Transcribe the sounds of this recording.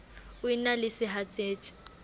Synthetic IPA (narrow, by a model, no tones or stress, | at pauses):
ʊinalɪsɪɦat͡sʼeːt͡ʃʼɪ̥